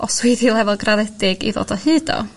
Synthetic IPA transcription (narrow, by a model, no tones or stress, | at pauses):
ɔswiðilˠɛvɔlˠɡraðɛdɪɡḭðo̰ːd̥ɔhɨːdɔ̰